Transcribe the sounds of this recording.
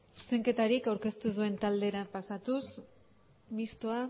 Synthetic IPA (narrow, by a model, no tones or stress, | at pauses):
su̥se̞ŋke̞t̪aɾikawɾke̞st̪uðue̞nt̪ald̪e̞ɾapasat̪us | mist̪oa